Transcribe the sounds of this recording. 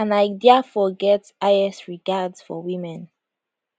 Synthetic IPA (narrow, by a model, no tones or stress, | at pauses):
ãnaɪdiafɔɡɛtsaɪɛsɹiɡadz̥fɔ̰wĩmɛ̃n